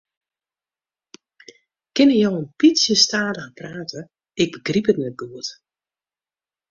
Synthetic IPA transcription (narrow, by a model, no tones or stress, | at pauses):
kɪnəjɔwənpitsjəstaːdəapraːtʰə | ɪɡ̚bəɡripətmɛd̚ɡuət